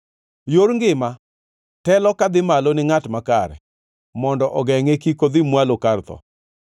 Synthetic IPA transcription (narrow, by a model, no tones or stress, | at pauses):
joɾŋɡɪma | tɛlɔkad̪ɪmalonɪŋatmakaɾɛ̰ | mɔndɔʔɔɡɛŋekikod̪ɪmwalokart̪ɔ̰